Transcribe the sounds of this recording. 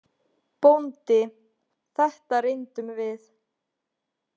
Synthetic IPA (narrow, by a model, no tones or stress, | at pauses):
pownt̪ɪ | θɛht̪arejnt̪ʏmvɪθ